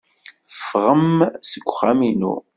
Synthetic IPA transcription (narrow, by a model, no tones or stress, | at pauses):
fʁəmsəɡʷχaminṵ